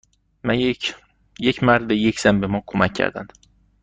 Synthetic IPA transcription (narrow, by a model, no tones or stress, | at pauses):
mæ | jecʰmæɾd̪ejecʰz̥æmbe̞mɒːkʰomæcʰːæ̰ɾd̪æ̰nd̪̥